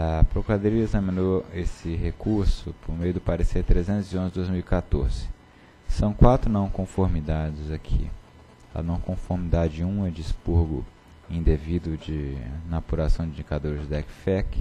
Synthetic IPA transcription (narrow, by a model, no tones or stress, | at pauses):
ɐpɾokuɾad̪oɾiɐezɐmĩnoesɪɦekuɾsʊpʰoɾmejʊd̪ʊpaɾeseɾt̪ɾezẽnt̪ʊziõzɪd̪ojzmiuwikat̪oɾzɪ̥ | sɐ̃w̃kwat̪ɾʊnɐ̃w̃kõfoɾmid̪ad͡ʒɪzakʰḭ | ɐ̰nɐ̃w̃kõfoɾmid̪ad͡ʒɪũɐd͡ʒɪːspuɾɡʊ̰ | ĩd̪evid̪ʊd͡ʒɪnapuɾasɐ̃w̃d͡ʒɪĩd͡ʒikad̪oɾɪzd͡ʒɪd̪ɛkfɛk